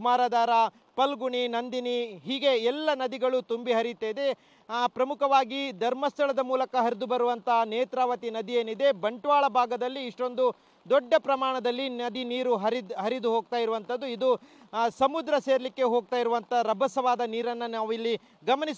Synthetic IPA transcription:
umaːɾaːd̪aːɾa | pɐlɡuɳinɐnd̪iniɦiːɡe̞ɛlːɐnɐd̪iɡɐɭut̪umbiɦɐɾit̪ːed̪e̞ | pɾɐmukʰɐʋaːɡid̪ʱɐɾmɐst̪ʰɐɭɐd̪ɐmuːlɐkɐɦɐɾid̪ubɐɾuʋɐnt̪ɐneːt̪ɾaːʋɐt̪inɐd̪ije̞ːnid̪e̞bɐɳʈʋaːɭɐbʱaːɡɐd̪ɐlːiːʂʈo̞nd̪u | d̪ɔɖːɐpɾɐmaːɳɐd̪ɐlːinɐd̪iniːɾuɦɐɾiɦɐɾid̪uɦoːɡ̚t̪aːjiɾuʋɐnt̪ɐd̪ːuid̪usɐmud̪ɾɐse̞ːɾɐlikːe̞ɦo̞ːɡ̚t̪aːjiɾuʋɐnt̪ɐɾɐbʱɐsɐʋaːd̪ɐniːɾɐnːɐnaːʋilːi | ɡɐmɐnis

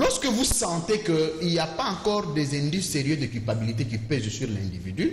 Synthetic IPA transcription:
lɔʁskəvusɑ̃t̪ẽkəiliapaɑ̃kɔʁd̪ɛzɛ̃d̪ysseʁjød̪əkylpabilit̪ekipɛzsyʁlɛ̃nd̪ivid̪y

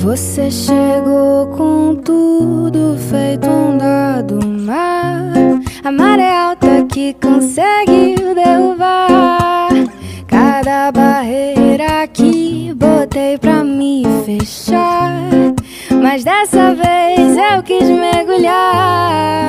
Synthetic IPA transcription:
voseʃeɡowkõt̪ud̪ʊfejt̪ʊũd̪ad̪ʊma | ɐmaɾeɛawt̪ɐkɪkõsɛɡɪd̪eɦuva | kad̪ɐbaɦejɾɐːkibot̪ejpɾɐmɪfeʃa | mɐzd̪ɛsɐvejzewkizmeɡuʎa

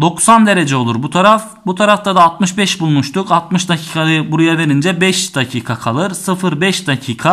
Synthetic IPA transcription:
d̪o̞ksand̪e̞ɾed͡ʒɛo̞lˠuɾbut̪ʰaɾaf | but̪ʰaɾaft̪ʰad̪aːlˠt̪̚mɯʃbɛʃbulˠmuʃt̪ʰukat̪mɯʃd̪acʰi̥ːkʰaɯbuɾujave̞ɾind͡ʒɛbɛʃd̪acʰiːkʰakʰalˠɯɾsɯfɯɾbɛʃd̪acʰiːkʰa

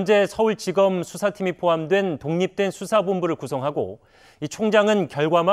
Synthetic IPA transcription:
nd͡ʑe̞sʰʌuɭt͡ɕiɡʌmsʰusʰatʰimipʰoɦamdwe̞ntoŋɲip̚t͈we̞nsʰusʰabombuɾɯɭkusʰʌŋɦaɡo̰ | it͡ɕʰoŋd͡ʑaŋɯnkjʌɭɡwama

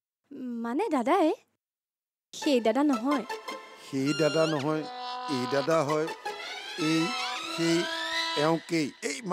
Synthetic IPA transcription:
manɛdadae | xejdadanɔɦɔjxejdadanɔɦɔjejdadaɦɔj | ejxejɛʊ̃kejejm

